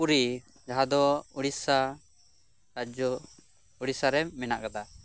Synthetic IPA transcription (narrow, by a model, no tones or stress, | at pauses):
uɾi | d͡ʒaɦad̪ɔuɽisa | ɾad͡ʒɔ | uɽisaɾɛmɛnaʔkad̪a